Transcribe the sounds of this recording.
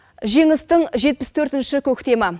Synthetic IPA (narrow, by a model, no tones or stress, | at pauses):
ʒe̞ŋɪst̪ɪŋʒe̞t̪̚pɪst̪ʰɵɾt̪ɪnʃɪkʲʰɵkʲt̪e̞mɑ